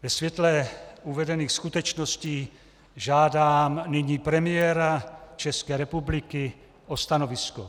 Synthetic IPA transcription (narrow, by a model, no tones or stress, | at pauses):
vɛsvjɛt̪lɛuvɛdɛniːxskut̪ɛt͡ʃnosciː | ʒaːdaːmnɪɲiːpɾɛmɪjɛɾat͡ʃɛskɛːɾɛpublɪkɪ | ʔost̪anovɪsko